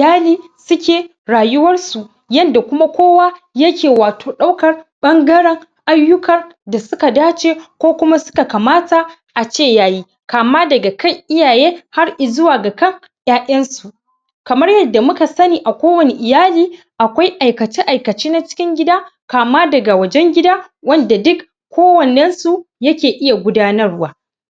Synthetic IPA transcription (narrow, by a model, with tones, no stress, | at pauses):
ʔɪ˨jaː˦liː˦ | sʊ˦kʲeː˨ | ɽaː˨jʊ˦wɐ˦rsu˨ʔ | jɐ˦nda˨kʷʊ˦ma˦kʷoː˦wa˦ | jɐ˦kʲeː˨waː˨tʰoː˨ɗa˦wkɐ˨rɓɐ˦ŋɡɐ˦ɽɛ˦ŋ | ʔa˦jːʊ˦kɐ˨rda˨sʊ˦ka˨daː˦t͡ʃe˦kʷoː˦kʷʊ˦ma˦sʊ̥˦ka˨ka˨maː˦ta˨ | ʔa˨t͡ʃeː˦˨jaː˦jiː˦ | kaː˨maː˦dɐ˨ɡa˨ka˦˨jʔɪ˦jaː˨jeː˦ha˦rʔɪ˨zʊ˦waː˨ɡa˨kɐ˦˨ŋ | j̰aː˦ʔʲɐ˦nsu˨ʔ | kɐ˨mɐ˦rjɐ˦dːa˨mʊ˦ka˨sɐ˦niː˨ʔa˨kʷoː˦wɐ˨ne˨ʔɪ˨jaː˦liː˦ | ʔa˨kʷa˦jʔa˨jkɐ˨t͡ʃɪ˦ʔa˨jkɐ˨t͡ʃiː˦na˦t͡ʃɪ̥˦kʲɪ˦ŋɡʲɪ˦daː˦kaː˨maː˦dɐ˨ɡa˨wɐ˨d͡ʒɛ˦ŋɡʲɪ˦daː˦ | wɐ˦nda˨dʊ˦k | kʷːoː˦wɐ˨nɛ˦nsu˨jɐ˦kʲeː˨ʔɪ˦ja˨ɡʷʊ˦daː˦nɐ˦rwaː˦